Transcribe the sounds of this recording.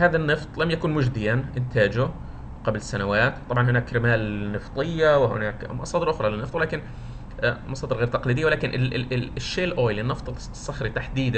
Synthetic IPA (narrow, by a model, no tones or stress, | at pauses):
haːðanːɨft̪ˤlamjakuːnmʊd͡ʒd̪ɪjanʔɪnt̪ʰaːd͡ʒʊ | qablsanawaːt̪t̪ːˤɑbʕɑnhʊnaːkɾɪmaːlnɨft̪ˤɨjːawɪhɪ̰naːkmɑ̰sˤɑːd̪ɾʔʊxɾˤɑlɪnːɨft̪wlaːkɪn | mɑsˤɑːd̪ɪɾɣeːɾt̪ɑqlid̪ɪjːawɪlaːkɪnʔɪlɪʃːeːlʔoːjlɪnːɨft̪ˤ | sˤːɑxɾit̪aħd̪iːd̪a